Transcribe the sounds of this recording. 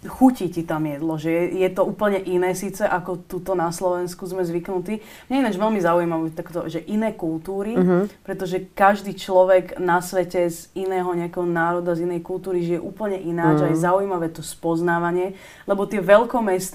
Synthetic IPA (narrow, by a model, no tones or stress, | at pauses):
xucicit̪amjɛd̪lɔʒɛɛjɛt̪ɔuːpl̩ɲɛʔinɛːsiːt͡sɛʔakɔt̪ut̪ɔnaslɔʋɛnskuzmɛzʋiknut̪iː | mɲɛinad͡ʒʋɛlmizaujimaʋɛt̪akt̪ɔ̰ʒɛʔinɛːkulˠt̪uːɾipɾɛt̪ɔʒɛkaʒd̪iːt͡ʃlɔʋɛɡnasʋɛcɛzinɛːɦɔɲɛakɛɦɔnaːɾɔd̪azinɛjkult̪uːɾiʒijɛʔuːpl̩ɲɛʔinaːd͡ʒajzaujmaʋɛːt̪ɔspɔznaːʋaɲɪɛ | lɛbɔt̪ɪɛʋɛʎkɔmɛst̪